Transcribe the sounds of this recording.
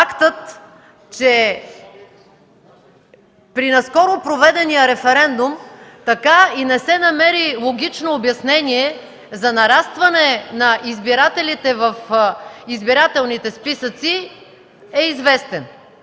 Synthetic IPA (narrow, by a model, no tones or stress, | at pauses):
akt̪ət̪ | t͡ʃɛ | pɾinɐskɔɾʊpɾovɛd̪ɛnijəɾɛfɛɾɛnd̪ʊmt̪ɐkainɛsɛnɐmɛɾilˠoɡ̟ʲit͡ʃnoːbjɐsnɛniɛ | zɐnɐɾast̪vɐnɛnɐʔizbiɾat̪ɛlit̪ɛvəfizbiɾat̪ɛlˠnit̪ɛspisət̪si | ɛizvɛst̪ɛn